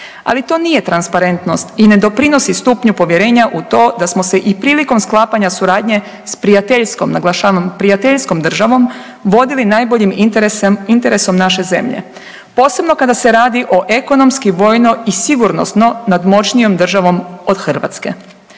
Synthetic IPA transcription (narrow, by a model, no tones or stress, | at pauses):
a̰lit̪o̞ːnije̞t̪ɾanspaɾe̞nt̪no̞st̪ine̞d̪o̞pɾino̞sist̪upɲupo̞ʋje̞ɾe̞ːɲaʔut̪o̞ːd̪asmose̞ʔipɾiːliko̞msklˠaːpaɲasuɾaːd̪ɲe̞ | spɾiat̪eʎskomnaɡlˠaʃaːʋampɾijat̪eʎsko̞md̪r̩ʒaʋo̞m | ʋo̞d̪ilinaːjbo̞ʎim | int̪e̞ɾe̞so̞mnaʃe̞ze̞̰mʎḛ | po̞ːse̞bno̞kad̪ase̞ɾaːd̪iʔo̞ʔe̞ko̞no̞mskiʋo̞ːjno̞isiɡuɾno̞̰st̪no̞nad̪mo̞t͡ʃnijo̞md̪r̩ʒaʋo̞mod̪xr̩ʋa̰t̪ske̞̰